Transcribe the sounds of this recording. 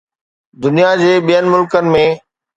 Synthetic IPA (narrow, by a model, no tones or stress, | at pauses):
d̪ʊnijad͡ʑeːɓijənɪ̆mʊlkənɪ̆mẽː